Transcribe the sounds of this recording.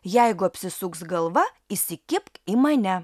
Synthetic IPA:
jɛɪɡʊɐpʲsʲɪsʊksɡɐlˠʋɐ | ɪsʲɪkʲɪpkimɐnʲɛ

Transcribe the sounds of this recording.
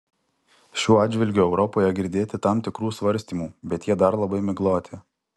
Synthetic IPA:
ʃʲuːɑːd̪d͡ʒʲʋʲɪlʲɡʲuːɛʊɾɔpoːjɛɡʲɪɾʲd̪ʲeːt̪ʲɪt̪ɑmt̪ʲɪkɾuːsʋɐɾʲsʲt̪ʲiːmuːbʲɛt̪jiɛd̪ɐɾlˠɐbɐɪmʲɪɡlˠoːt̪ʲɪ

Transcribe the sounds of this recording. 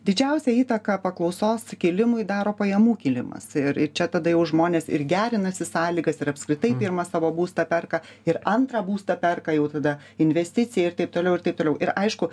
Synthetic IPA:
d̪ʲɪd͡ʒʲɛʊsʲɛiːt̪ɐkɐpɐklˠɐʊsoːskʲɪlʲɪmʊɪd̪ɑːɾoːpɐjɛmuːkʲɪlʲɪmɐ̰sɪɾɪt͡ʃʲɛt̪ɐd̪ɐjɛʊʒmoːnʲeːsɪ̰ɾɡʲæːɾʲɪnɐsʲɪsɑːlʲiːɡɐsɪɾɐpskɾʲɪt̪ɐɪpʲɪɾmɐsɑːʋoːbuːst̪ɐpʲɛrkɐɪɾɐnt̪ɾɐbuːst̪ɐpʲɛrkɐjɛʊt̪ɐd̪ɐ | ɪnʲʋʲɛsʲt̪ʲɪt͡s̪ʲɪjɛɪrt̪ɐɪpt̪oːlʲɛʊɪrtɐɪp̚t̪oːlʲɛʊʔɪɾɐɪʃkʊ

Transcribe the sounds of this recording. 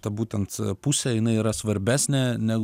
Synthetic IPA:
t̪ɐbuːt̪ʲɛnt̪pusʲɛjɪnɐɪiːɾɐsʋɐɾʲbʲæːsʲnʲɛnʲæɡ

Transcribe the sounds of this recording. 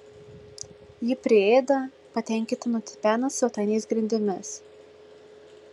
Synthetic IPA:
jɪpʲɾʲɪeːd̪ɐ | pɐt̪ʲɛˑŋʲkʲɪt̪ʲɪnʊt̪ʲɪpʲæːnɐsʲɛʊt̪ɐɪnʲeɪsɡɾʲɪnʲd̪ʲɪmʲɪs

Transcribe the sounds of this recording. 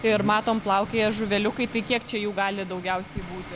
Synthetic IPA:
ɪɾmɑːt̪oːmplˠɐʊkʲeːjɛʒʊʋʲɛlʲʊkɐɪt̪ɐɪkʲiɛkt͡ʃʲɛjuːɡɑːlʲɪd̪ɐʊɡʲɛʊsʲɛɪbuːt̪ʲɪ

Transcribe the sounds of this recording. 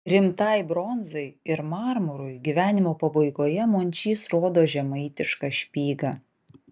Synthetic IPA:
ɾʲɪmt̪ɐɪbɾɔnzɐɪɪɾmɑːɾmʊɾʊɪɡʲiʋʲæːnʲɪmoːpɐbɐɪɡoːjɛmoːnʲt͡ʃʲiːsɾoːd̪oːʒʲɛmɐɪt̪ʲɪʃkɑʃʲpʲiːɡɐ

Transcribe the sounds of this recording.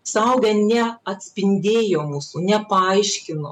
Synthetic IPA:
sɐʊɡʲɛnʲɛɐt̪ʲsʲpʲɪnʲd̪ʲeːjoːmuːsunʲɛpɐɐɪʃʲkʲɪnoː

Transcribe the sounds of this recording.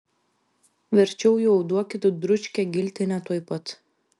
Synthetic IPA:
ʋʲɛɾʲt͡ʃʲɛʊjuɐʊd̪uɔkʲɪt̪ʊd̪ɾʊt͡ʃʲkʲɛɡʲɪlʲt̪ʲɪnʲɛt̪uɔjpɐt̪

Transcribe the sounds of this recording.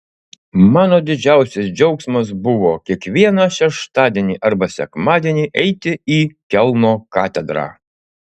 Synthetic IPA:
mɑːnoːd̪ʲɪd͡ʒʲæˑʊsʲɪsd͡ʒʲɛʊksmɐsbʊʋoːkʲiɛkʋʲiɛnɑːʃʲɛʃt̪ɑːd̪ʲiɛnʲiːʔɐɾbɐsʲɛ̰kmɑːd̪ʲiɛnʲiːʔɛɪt̪ʲɪiːkʲɛlˠnoːkɑːt̪ʲɛd̪ɾɑ̰ː

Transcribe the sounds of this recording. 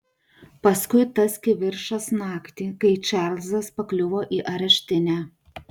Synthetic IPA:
pɐskʊɪt̪ɐskʲɪʋʲɪɾʃɐsnɑːkt̪ʲiːkɐɪt͡ʃʲɛɾlʲzɐspɐklʲʊʋoːʔiːʔɐɾʲɛʃʲt̪ʲɪnʲæː

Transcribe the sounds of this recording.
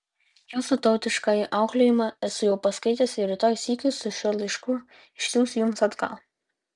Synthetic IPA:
juːsʊt̪ɐʊt̪ʲɪʃkɑːjɪʔɑˑʊklʲoːjɪmɑɛsʊjɛʊpɐskɐɪt̪ʲɛːsʲɪɾʲɪt̪oːjsʲiːkʲʊsʊʃʲuɔlʲˠɐɪʃkʊ | ɪʃʲsʲuːsʲjʊmsɐt̪kɑ̰lˠ

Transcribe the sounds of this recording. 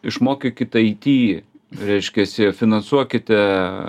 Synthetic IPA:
ɪʃmoːkʲɪkʲɪt̪ʲɐɪt̪ʲiː | ɾʲɛɪʃʲkʲɛsʲɪfʲɪnɐnsuɔkʲɪt̪ʲɛ

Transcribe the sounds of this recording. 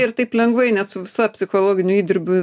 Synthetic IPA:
ɪrt̪ɐɪplʲɛŋɡʋɐɪnʲɛt̪sʊʋʲɪsɑːpʲsʲɪxoːlˠoːɡʲɪnʲʊiːd̪ʲɪɾʲbʲʊ

